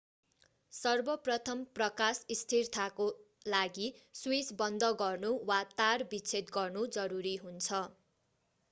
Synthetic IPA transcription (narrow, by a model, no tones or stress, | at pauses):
sʌrbʌprʌt̪ʰʌmprʌkasist̪ʰirt̪ʰako | laɡiswisbʌnd̪ʌɡʌrnuwat̪arbit͡sʰet̪ɡʌrnud͡zʌɾuɾiɦunt͡sʰʌ